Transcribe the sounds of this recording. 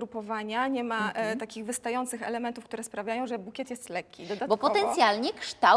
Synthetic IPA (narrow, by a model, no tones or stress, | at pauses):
ɾupɔvaɲaɲɛmat̪akʲiɣvɘst̪ajɔnt̪sɘxɛ̰lɛmɛnt̪ufkt̪uɾɛspɾavʲjajɔ̃w̃ʐɛbukʲɛt̪jɛst̪lɛkʲːid̪ɔat̪bɔpɔɛnt̪sʲjalɲɛkʂt̪a